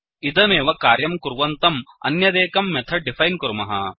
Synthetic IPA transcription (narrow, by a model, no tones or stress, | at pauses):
id̪ɐmeːʋɐkaːɾjɐmkuɾʋɐnt̪ɐmɐ̰njɐd̪eːkɐmːɛt̪ʰɐɖipʰɐjnkuɾmɐɦɐ̰